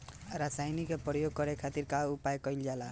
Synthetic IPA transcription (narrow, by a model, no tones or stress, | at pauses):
ɾasajnikepəjoɡ̚kʌɾekʰat̪iɾkaupajkʌɪld͡ʒala